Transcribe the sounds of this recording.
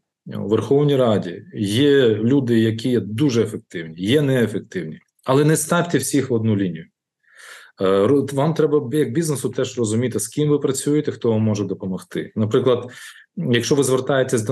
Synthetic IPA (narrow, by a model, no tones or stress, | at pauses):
wʋerxɔwnʲijɾɑdʲḭjɛlʲud̪ɪjɐkʲʰijɛd̪uʒɛːfek̚t̪ɪwnʲijɛnɛːfek̚t̪ɪwnʲi | ɐlˠɛnɛst̪ɑʋʲt̪ɛwsʲixɔd̪̚nulʲinʲijʊ | ʋɑmt̪ɾɛbɐjɐɡ̚bʲiznesʊt̪ɛʒrɔzʊmʲit̪ɪskʲimʋɪpɾɐt͡sʲujet̪ɛxt̪ɔʋmːɔʒɛd̪ɔpɔmɔxt̪ɪ̰nɐpɾɪklˠɐd̪ | jɐkʃt͡ʃɔʋɪzʋert̪ɑjet̪ʲːɐzʲd̪